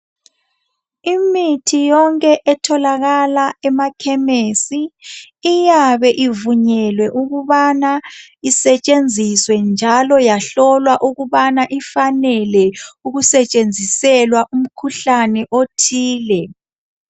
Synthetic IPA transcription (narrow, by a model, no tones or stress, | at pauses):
imitʰijɔŋkʼɛʔɛtʰɔlaɣalaɛmakʰɛmesiː | jaβɛʔivuɲɛlwɛʔuɣuβanaisɛt͡ʃʼend͡zʱiswɛnd͡ʒʱalɔjaɬɔlwaʔuɣuβanaʔifanɛlɛuɣusɛt͡ʃʼend͡zʱisɛlwaʔum̩kʰuɬanɛʔotʰiːlɛ